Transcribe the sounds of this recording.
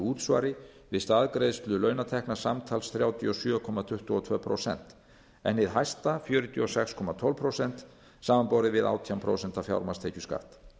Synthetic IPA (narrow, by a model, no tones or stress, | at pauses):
uːt̪sva̰ːɾɪvɪðst̪aðkɾejðst̪lʏlœːɥnat̪ʰɛhknasamt̪ʰalsθɾjaːwt̪ʰiɔsjœːkʰɔmat̪ʰʏht̪uɔt̪ʰvœːpʰɾo̰wsɛ̰n̥t̪ | ɛ̰nːɪðɦajst̪afjœːɾʏt̪ʰʏɔsɛkskʰɔmat̪ʰɔlvpʰɾowsɛnt̪ | saːmanpoːwɾɪvɪða̰ːwt̪ʰiampʰɾo̰wsɛnt̪afja̰wɾmast̪ʰeːjcʏska̰ht̪